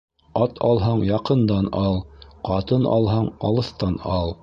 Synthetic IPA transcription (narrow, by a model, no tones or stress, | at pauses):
ɑt̪ʰɑ̰lˠɦɑɴjɑqɤ̆nd̪ɑnɑlˠqɑt̪ɤnɑ̰lˠɦɑɴɑ̰lˠɤ̆θt̪ɑnɑlˠ